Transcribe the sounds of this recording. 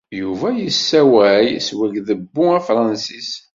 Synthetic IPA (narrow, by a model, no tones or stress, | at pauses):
juvæjəsːæwæjswæʝðəbːʊæfɾˤɑnsis